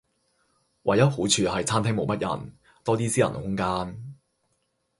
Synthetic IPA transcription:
wʔɐ˨˩jɐ˥t̚ho˨˥t͡ʃʰyː˨˧hɐ˨jt͡sʰaː˥nt̪ʰɪ˥ŋmo˨˥wmɐ˥t̚jɐ̰˨˩n | t̪ɔː˥t̪iː˥siː˥jɐ̰˨˩n˨˩hʊ˥ŋkaː˥n

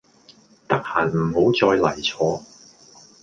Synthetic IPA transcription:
t̪ɐ˥k̚haː˨˩nm̩˨˩ho˨˥wt͡sɔː˧jlɐ˨˩jt͡sʰɔː˧

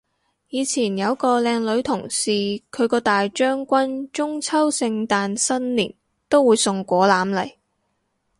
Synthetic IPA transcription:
jiː˨˧t͡sʰiː˨˩njɐ˨˧wkɔː˧lɛː˧ŋlɵ˨˧ɥt̪ʰʊ˨˩ŋsiː˨kʰɵ˨˧ɥkɔː˧t̪aː˨jt͡ʃœː˥ŋkʷɐ˥nt͡ʃʊ˥ŋt͡sʰɐ˥wsɪ˧ŋt̪aː˧nsɐ˥nlḭː˨˩n | t̪o˥wːuː˨˧jsʊ˨ŋkʷɔː˨˥laː˨˥mlɐ˨˩j

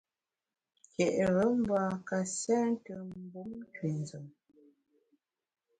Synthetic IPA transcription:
kɛ˨ʔɣə˨˦m̩˦baː˦ka˨sɛ˦n̩˦tə˨m̩˦bu˦m˦twi˨n˨zə˨m

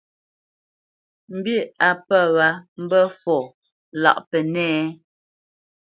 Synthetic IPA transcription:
m̩˨bi˦˨a˨pə˦˨wa˨˦m̩˦bə˦fɔ˨ | la̰˨ʔpɛ˨nɛː˦˨

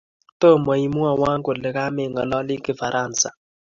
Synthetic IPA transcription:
t̪o˦˨mɔ˨i˨mu˦a˨wa˦ŋɡʊ˨lɪ˨ka˦mɪ˦˨ŋɔ˨lɔ˦lɪ˦kɪ˦fa˨ɾʔa˦˨nsa˨

